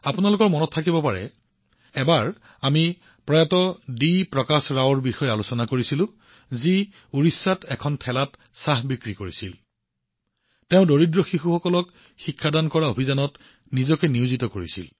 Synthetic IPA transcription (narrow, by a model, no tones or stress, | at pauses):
apunalʊkɔɹmɔnɔtʰːakibɔpaɹɛ̰ | ɛbaɹ | ami | pɹɔjatɔdipɹɔkasɹawɔɹbixɔjɛalusɔnakoɹisilʊ̃ | zi | uɹisːatɛkʰɔntʰɛlat | saɦbikɹikoɹisil | teʊ̃doɹidɹɔxixuxɔkɔlɔk | xikʰːadankɔɹaobʱizanɔt | nizɔkɛniuzitɔkoɹḭsḭl